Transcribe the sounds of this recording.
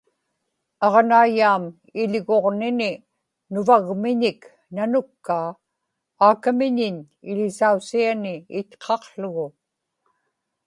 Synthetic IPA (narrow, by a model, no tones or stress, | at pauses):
ɑʁnaːjaːm | ɪʎɣoʁnɪnɪ | nʊvaɣmɪɲɪk | nanʊkːaː | aːkamɪɲɪɲ | ɪʎɪsausianɪːt̪qʰɑqɬʊɣʊ